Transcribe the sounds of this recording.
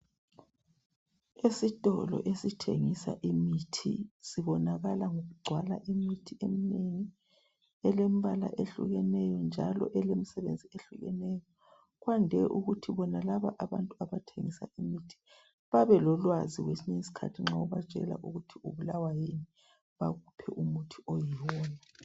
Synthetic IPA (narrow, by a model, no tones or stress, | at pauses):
esitʼɔlɔ̰ʔesitʰḛŋisa̰ʔimitʰḭsiβɔnaɣalaŋoɣuɡ͡ǀʱwalaʔimitʰiemineŋi | ɛlem̩βala̰ʔeɬṵɣɛnɛjɔnd͡ʒʱalɔ̰ʔɛlemisɛβḛnd͡zʱieɬuɣɛ̰nɛjɔ | ɣwandʱɛʔuɣutʰiβɔnalaβaʔaβantʼuaβatʰeŋisa̰ʔimitʰi̥ | βaβɛlɔlwaziɣwesineŋisi̥kʰa̰tʰiŋ͡ǁaɔβḁʒ̥ʱʼɛ̰la̰ʔuɣutʰiuβulawajeni | βaɣupʰɛ̰ʔumutʰiɔjiwɔːna